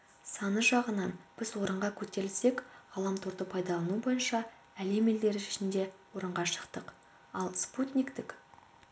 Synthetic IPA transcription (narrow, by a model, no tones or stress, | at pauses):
sɑnəʒɑʁənɑnb̥ɪzwo̞ɾəɴʁɑkʲʰɵt̪e̞ɾɪlse̞kʁɑlˠɑmt̪ʰʊɾd̪əpʰɑjd̪ɑlˠɑnubo̞jənʃɑ | æle̞meld̪e̞ɾɪʒɪʃɪnd̪e̞woɾəɴʁɑʃə̥qt̪əq | ɑlˠsput̪nʲijkt̪ɪk